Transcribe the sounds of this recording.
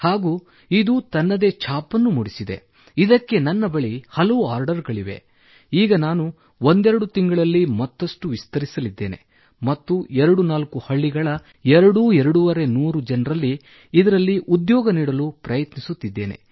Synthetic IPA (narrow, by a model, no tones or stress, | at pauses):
haːɡuː | id̪ut̪ɐnːɐd̪e̞t͡ʃʰaːpɐnːumuɽisid̪e̞̰ | id̪ɐkːe̞nɐnːɐbɐɭihɐlɐʋuaːɾɖɐɾɡɐɭiʋe̞̰ | iːɡɐnaːnu | o̞nd̪ɛɾɐɽut̪iŋɡɐɭɐlːimɐt̪ːɐʂʈuʋist̪ɐɾisɐlid̪ːe̞ːne̞̰ | mɐt̪ːuɛɾɐɽunaːlkuhɐɭːiɡɐɭɐ | ɛɾɐɽuɛɾɐɽuʋɐɾe̞nuːɾud͡ʒɐnɾɐlːiː | d̪ɐɾɐlːiʔud̪jɔːɡɐniːɽɐlupɾɐjɐt̪nisut̪ːid̪ːe̞ːne̞̰